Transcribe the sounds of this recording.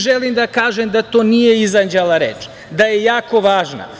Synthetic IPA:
ʒelˠimd̪akaːʒemd̪at̪oːnijeizand͡ʒelaɾeːt͡ʃ | d̪ajejaːko̞ʋaːʒna̰

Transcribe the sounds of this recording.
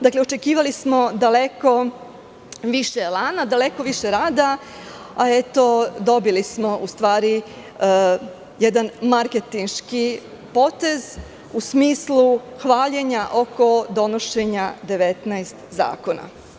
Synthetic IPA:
d̪akleo̞t͡ʃe̞kiːʋalismo̞d̪aleko̞ | ʋiʃelˠaːnad̪aleko̞ʋiʃe̞ɾaːd̪a | aet̪o̞d̪o̞bilismoʔust̪ʋaːɾi | jed̪anmaɾket̪inʃki | po̞t̪e̞z | usmiːslu | xʋaːʎeɲaʔo̞ko̞d̪o̞noʃe̞ɲad̪e̞ʋet̪najst̪za̰ːko̞na̰

